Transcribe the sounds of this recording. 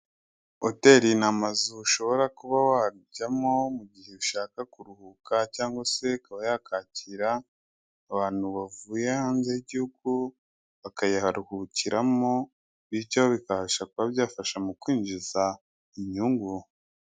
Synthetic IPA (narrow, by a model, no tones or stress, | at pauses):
ote̞ːɾinamazuʃo̞βo̞ɾakuβawaɟamo̞muɟihe̞βuʃaːkakuɾuhukacaːŋɡwase̞kaβajakaːciɾaː | βaːn̥huβavuːjehaːnzejiɟihuɡ̚u | βakajahaɾuhuciɾamo | βicawoβikahaʃakuβaβjaːfaʃamukwiːɲʒiza | iɲɲuːŋɡu